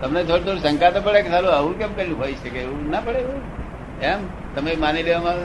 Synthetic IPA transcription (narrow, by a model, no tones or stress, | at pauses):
t̪əmnet̪ʰoɽit̪ʰoɽisə̃ŋkat̪opəɭekesaluəʋũkɛ̃mkɛlũɦoit͡ʃekeeũnapəɭeʋũ | ɛm | t̪əmemanileʋamã